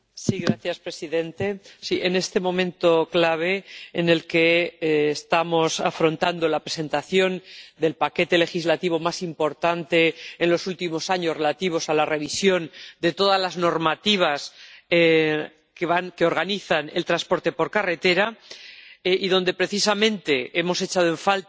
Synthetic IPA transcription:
siɣɾaθjaspɾe̞siðẽ̞nt̪e̞siʔe̞ne̞st̪e̞mõ̞mẽ̞nt̪oklaβ̞e̞ːne̞lke̞ːst̪amo̞safɾo̞nt̪and̪o̞lapɾe̞se̞nt̪aθjo̞nd̪e̞lpake̞t̪e̞le̞xizlat̪iβ̞o̞masimpo̞ɾt̪ant̪e̞ːnlo̞sult̪imo̞saɲore̞lat̪iβ̞o̞salare̞β̞isjo̞nd̪e̞t̪o̞ðazlazno̞ɾmat̪iβ̞as | keβankeo̞ɾɣaniθane̞̰lt̪ɾaspo̞ɾt̪e̞po̞ɾkare̞t̪e̞ɾa | ʔiðo̞nd̪e̞pɾe̞θisamẽ̞nt̪e̞e̞mo̞se̞t͡ʃaðoe̞ɱfalt

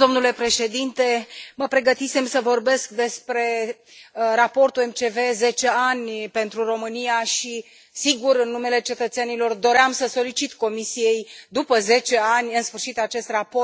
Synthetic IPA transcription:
o̞mnule̞pɾe̞ʃe̞d̪int̪e̞məpɾe̞ɡət̪ise̞msəvo̞rbe̞sk̚d̪e̞spɾe̞ | rapo̞rt̪ue̞mt͡ʃe̞ve̞ze̞t͡ʃe̞anʲpe̞nt̪ɾuro̞mɨnijaʃi | siɡuɾɨnːume̞le̞t͡ʃe̞t̪ət̪senilo̞rd̪o̞ɾeamsəso̞lit͡ʃit̪ko̞misije̞jd̪upəze̞t͡ʃe̞anʲɨnsfɨrʃit̪at͡ʃe̞st̪rapo

